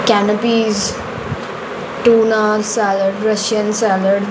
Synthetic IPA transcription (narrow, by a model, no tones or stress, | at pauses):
kænəpiːz | ʈuːnasɛːləɾɖɾʌʃənsɛːləɾɖ